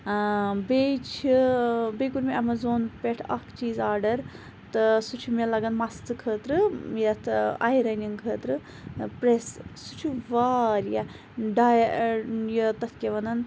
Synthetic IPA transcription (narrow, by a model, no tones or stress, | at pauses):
bet͡ʃʰibejkuɾmeɐmazoːnpeʈʰɐkʰt͡ʃiːzaːɖɐɾ | t̪ɨsut͡ʃʰumelɐɡɐnmɐst̪ɨkʰəːt̪ɾɨjɐt̪ʰa̰ːjɾɐniŋkʰəːt̪ɾɨ | pɾessut͡ʃʰuʋaːɾja | ɖaːj | jɐt̪ɐt̪ʰkʲeʋɐnɐn